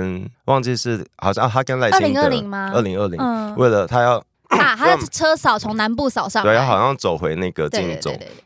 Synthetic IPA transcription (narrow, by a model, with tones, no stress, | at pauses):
nwɑ˥˧ŋt͡ɕi˥˧ʂɻ̩˥˩xɑ˨˩ʊɕjɑ˥˧t̪ʰa˥kə˥nla˥˩i˥li˧˦ŋə˥˩li˧˥ŋma˧ə̰˥˩li˧ŋə˥˩li˧˦˥we˥˩ɪlə˩t̪ʰa˥jɑ˥˩ʊ | a˥˩t̪a˥ʈ͡ʂʰɤ˥sɑ˨˩ʊt͡sʰʊ˧˦˥ŋna˧˥npu˥˨˩sɑ˨˩ʊʂɑ˥˨wjxɑ˨˩ɕjɑ˥˩ŋt͡so˨˩ʊxwe˧˦ɪna˥˩ɡə˩t̪i˥˩n˨˩t͡so̰˨˩˦